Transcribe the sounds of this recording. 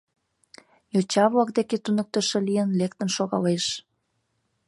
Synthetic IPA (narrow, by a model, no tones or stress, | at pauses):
jot͡ɕɑβlɑk̚d̪eket̪unək̚t̪ə̆ʃĕlijənlekt̪ə̆nʃoɣɑleʃ